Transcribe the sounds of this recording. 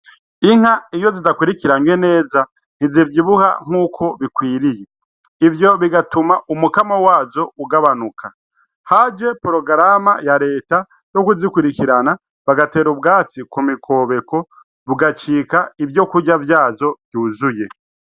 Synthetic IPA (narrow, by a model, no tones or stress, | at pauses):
iŋ̥haijo̞zidakwiɾikiɾamwene̞ːza | n̥izivjiβuha̰ŋ̥huːkʰo̞βikwiːɾije | ivjo̞βiɡatumaʔumukamawaːzo̞uɡaβanukʰa | had͡ʒe̞poɾo̞ɡɾamajaɾe̞ːta | jo̞kuzikwuɾikiɾana | βaɡate̞ːɾub̚ɡaːt͡sikumikʰo̞ːβe̞ko̞ | βuɡat͡ʃiːkaivjo̞kuɟavjaːzo̞vjuːzuje̞